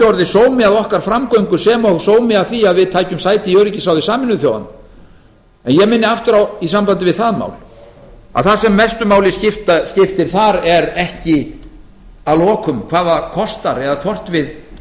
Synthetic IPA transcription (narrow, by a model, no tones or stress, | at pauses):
owɾðɪsoːwmɪaðɔhkaɾ̥fɾamkowŋkʏ̥sɛːmawsoːwmɪavθiaðvɪðt̪ʰaːjcʏmsaːjt̪ɪiœɥɾɪcɪsaːwðɪsaːmɪnːʏθjo̰wða̰n | ɛnjɛɣmɪnːɪaft̪ʏɾawisampant̪ɪvɪðθaðma̰ːwl̥ | a̰ðθasɛmːɛst̪ʏmaːwlɪscɪft̪ascɪft̪ɪɾ̥θaɾɛɾɛhcɪ | alɔːkʏmkʰvaːðakʰɔst̪aɾɛðat̪ʰɔr̥t̪vɪð